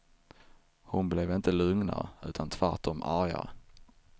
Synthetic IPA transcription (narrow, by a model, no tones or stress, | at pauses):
hʊnblɛvɪnt̪əlɵŋna̰ɾʉ̟ːt̪ʰant̪ʰvaɾʈːɔmaɾja̰ɾ